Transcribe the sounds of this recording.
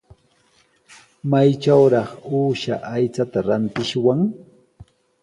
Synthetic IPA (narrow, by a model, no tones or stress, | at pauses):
majt͡ʃawɾɑχuːʃa̰ʔajt͡sat̪aɾant̪ɪʃwaŋ